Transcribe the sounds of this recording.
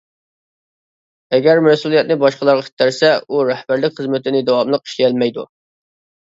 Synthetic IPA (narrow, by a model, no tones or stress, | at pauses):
ɛɡʲæɾmɛsulˠijɛt̪̚nɨbɑʃqəlˠɑɾʁɑkʲʰe̥t̪æɾsɛuɾɛhbæɾlɪkʲχəzmɪt̪ʰɪnɪd̪ɑwɑmlˠəqi̥ʃliɛlmɛjd̪ṵ